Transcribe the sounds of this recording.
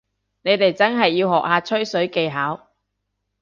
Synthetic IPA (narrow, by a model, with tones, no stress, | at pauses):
ne˨˧jt̪e˨jt͡sɐ˥nɦɐ˨jːiː˧whɔː˨k̚haː˨˧t͡ʃʰɵ˥ɥsɵ˨˥ɥke˧jɦaː˨˥w